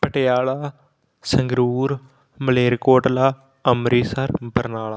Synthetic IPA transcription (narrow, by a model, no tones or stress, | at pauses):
pəʈejaːɭaː | səŋɡɾuːɾ | məleːɾkoːʈlaː | əmɾiːsəɾbəɾnaːɭaː